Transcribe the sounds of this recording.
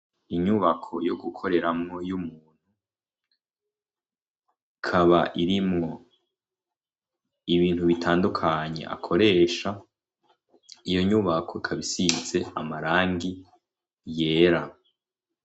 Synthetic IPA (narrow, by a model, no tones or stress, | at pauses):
iɲuβakʰo̞joɡukʰo̞ɾe̞ɾamŋo̞jumuːn̥hu | ikʰaβaʔiɾimŋo̞ | iβiːn̥huβitʰaːndukʰaɲe̞̰ʔa̰kʰo̞ɾe̞ːʃa | ijo̞ɲuβakʰo̞ikʰaβisize̞amaɾaːŋɡi | je̞ːɾa